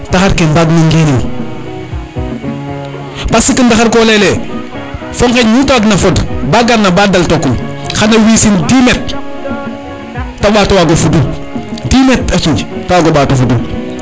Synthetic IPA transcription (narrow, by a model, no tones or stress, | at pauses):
taxaɾkenbaɡniŋɡeni | pasikindaxaɾkolele | foŋkeɲnutaɡnafodbaɡanːabadaltokːum | xanawisindimet̚ | taɓatowaɡofudu | dimetat͡ʃid͡ʒtaaɡoɓatofudu